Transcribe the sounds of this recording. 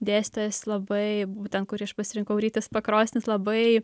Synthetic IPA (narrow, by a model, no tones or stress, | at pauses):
d̪ʲeːsʲt̪ʲɛslˠɐbɐɪbuːt̪ʲɛnt̪̚kʊɾʲiɐʃpɐsʲɪɾʲɪŋkɐʊɾʲiːt̪ʲɐspɐkɾoːsʲnʲɪslˠɐbɐɪ